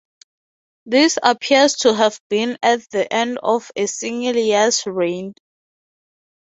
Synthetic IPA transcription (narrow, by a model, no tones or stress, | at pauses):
ðisapʰistʰuɦɛvbĩnɛt̚ðiʔɛ̃ndɔfesĩŋliasɹẽn